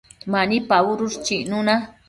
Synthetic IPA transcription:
manipaʊɾʊst͡ʃiʔnʊna

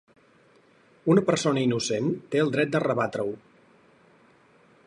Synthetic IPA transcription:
unəpəɾsonəinusent̪eəlˠd̪ɾɛt̪̚d̪ərəβat̪ɾəw

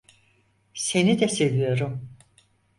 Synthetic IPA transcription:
se̞nid̪ɛselʲijo̞ɾum

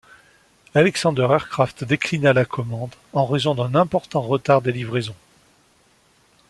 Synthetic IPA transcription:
alɛksɑ̃d̪œʁɛʁkχaft̪d̪eklinalakʰɔmɑ̃d̪ɑ̃ʁezɔ̃d̪ɛ̃nɛ̃pɔʁt̪ɑ̃ʁət̪aʁd̪elivʁezɔ̃

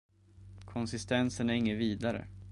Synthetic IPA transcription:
kʰɔnsɪst̪ʰɛnsənæɾɪŋːəviːd̪aɾə̰

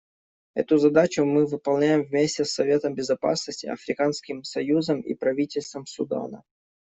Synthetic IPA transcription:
ɛ̰t̪ʊzɐd̪at͡ɕʊmɨvɨpɐlˠnʲæjɪmvmʲesʲtʲɪsːɐvʲe̞t̪əmbʲɪzɐpa̰snəsʲtʲɪɐ̰fɾʲɪkanskʲɪmsɐjuzəmḭpɾɐvʲitʲɪlʲst̪vəmsʊd̪a̰nə̰

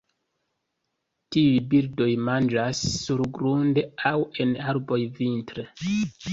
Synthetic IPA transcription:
tiujbiɾdo̞jmand͡ʒasːuɾɡɾunde̞awe̞naɾbo̞jvintɾe

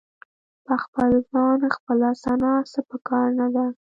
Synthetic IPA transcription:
pəxpəlzɑnxpəlasɑnɑsapəkɑɾnad̪a

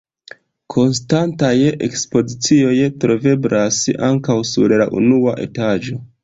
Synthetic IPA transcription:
kʰo̞ns̬tantajʔḛkspo̞zit͡sio̞jtɾo̞ve̞blasa̰ŋkawsṵɾlaʔṵnuaʔe̞̰tad͡ʒo̞

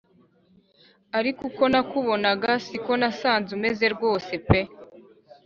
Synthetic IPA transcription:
aɾikuko̞nakuβo̞naɡasiko̞nasaːnzume̞ze̞ɾɡwo̞ːse̞pe

